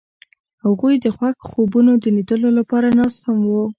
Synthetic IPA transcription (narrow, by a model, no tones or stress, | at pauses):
haɣujd̪əxwakxobunod̪ənid̪əlolapɑɾanɑst̪hamwu